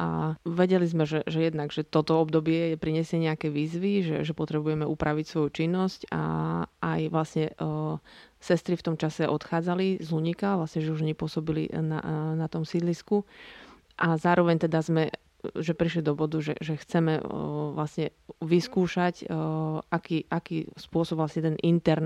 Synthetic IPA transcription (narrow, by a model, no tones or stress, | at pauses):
ʔaʋɛɟɛlizmɛʒɛʒɛjɛd̪naɡʒɛt̪ɔt̪ɔɔbd̪ɔbɪɛjɛpɾiɲɛsɪɛɲɛakɛʋiːzʋiʒɛ̰ʒɛpɔt̪ɾɛbujɛmɛʔupɾʔaʋicsʋɔjut͡ʃinːɔsca̰ajʋlasɲɛ | sɛst̪ɾift̪ɔmt͡ʃasɛʔɔt̪xaːd͡zalizluɲikaʋlasɲɛʒɛuʒɲɛpʊɔsɔbilḭna̰nat̪ɔmsid̪lisku | ʔazaːɾɔʋɛɲt̪ɛd̪azmɛ | ʒɛpɾiʃlid̪ɔbɔd̪uʒɛ̰ʒɛxt͡sɛmɛ̰ʋlasɲɛʋiskuːʃacʔakiːʔakiːspʊɔsɔbʋlasɲɛt̪ɛnʔint̪ɛɾn